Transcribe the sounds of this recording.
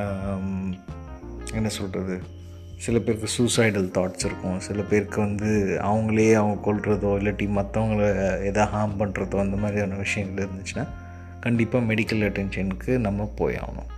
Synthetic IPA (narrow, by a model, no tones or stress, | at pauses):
ɛnːɐsɔlrɐðɯ | sɪlɐpeːɾkːɯsusɐɪɖɐlt̪aːʈsɪɾɯkːʊ̃sɪlɐpeːɾkːɯʋɐnd̪ɯɐ̰ʋɐŋɡɐɭeːɐʋɐɡɐkɔɭɾɐðoːɪlːɐʈːimɐt̪ːɐʋɐŋɡɐɭeːðaːɦaːmpɐɳɾɐðoːɐɪnd̪ɐmaːd̪ɾiɐnːɐʋɪʂɐjɐ̃ŋɡɐɭɪɾɯnd̪ɯt͡ʃːɯnaː | kɐɳɖɪpːaːmɛɽɪkːɐlɐʈːɛnʂɐnɯkːɯnɐmːɐpo̰ːja̰ːʋɐ̰nʊ̰̃